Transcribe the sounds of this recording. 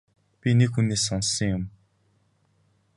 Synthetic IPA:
pʲinekxunːeːsːɔnsːɞ̆ŋjʊm

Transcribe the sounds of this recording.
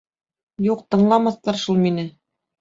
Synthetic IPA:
juqt̪ɤ̆ɴlˠɑmɑθt̪ɑɾʃulˠminɘ

